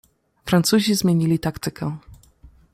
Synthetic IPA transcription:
fɾant̪suʑizmʲjeɲilʲit̪akt̪ɘkɛ

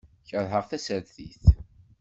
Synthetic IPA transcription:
çəðˤɦəʁθæsəɾθiθ

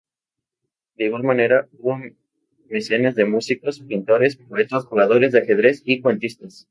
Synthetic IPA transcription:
d̪eiɣwalmãne̞ɾauβo | me̞senazðe̞musiko̞spint̪o̞ɾe̞spoet̪osxuɣað̞o̞ɾe̞zðeaxe̞ðɾe̞sikwe̞nt̪ist̪as

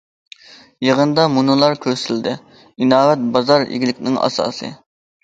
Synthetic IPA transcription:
jeʁənd̪ɑmunɨlˠɑɾkʲʰøsɪld̪ɪ | inɑːwɛt̪̚bɑzɑɾḭɡʲilɪkʲnɪŋɑ̰sɑ̰ːsɨ̰

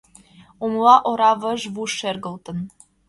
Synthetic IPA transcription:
umlˠɑʔoɾɑvəʒvuʃerɡə̆lˠt̪ə̆n

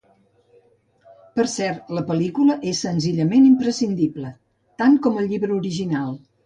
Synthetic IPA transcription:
pəɾsɛɾt̪ləpəlikuləʔesːənziʎəmenimpɾəsind̪iblə | t̪aŋkɔməlˠʎiβɾəuɾiʒinalˠ

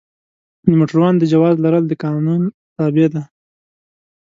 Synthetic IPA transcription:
nəmoʈɾwɑnd̪əd͡ʒawɑzlaɾəld̪əkɑnun | t̪ɑbed̪a

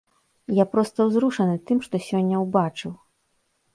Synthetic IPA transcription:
japɾɔst̪ɐwzɾuʂɐnɨt̪ɨmʂt̪ɔsʲɔnʲːɐwbat͡ʂɨw

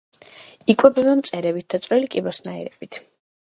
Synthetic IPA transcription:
ikʼwɛbɛbɛmt̪sʼɛɾɛbit̪̚d̪at̪sʼɾɛlikʼibɔsnaɛ̰ɾɛb̥it̪ʰ

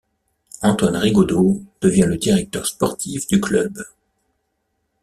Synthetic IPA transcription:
ɑ̃t̪wanʁiɡod̪od̪̥əvjɛ̃ləd̪iʁɛk̚t̪œʁspɔʁt̪ʰifd̪yklœb

